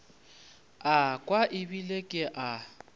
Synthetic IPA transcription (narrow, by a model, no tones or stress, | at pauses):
akʼwaʔɪbilekʼɪʔa